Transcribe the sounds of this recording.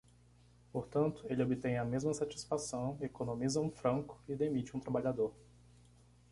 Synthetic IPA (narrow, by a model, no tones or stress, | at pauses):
poɾt̪ɐ̃nt̪ʊelɪobɪt̪ẽj̃ɐmezmɐsat͡ʃi̥sfasɐ̃w̃ekonõmizɐũfɾɐ̃kʊ̥ɪd̪emit͡ʃɪũt̪ɾabaʎad̪oɾ